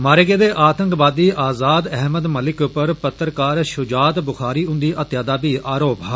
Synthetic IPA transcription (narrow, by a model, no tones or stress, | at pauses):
maːɾeːɡeːd̪eːʔaːt̪əŋkbaːd̪iːʔaːzaːd̪ɛɦməd̪məlɪkpəɾpət̪ːəɾkaːɾʃʊd͡ʒaːt̪bʊxʰaːɾiːʊ̃nd̪iːʔət̪jaːd̪aːbiːʔaːɾoːpɦaː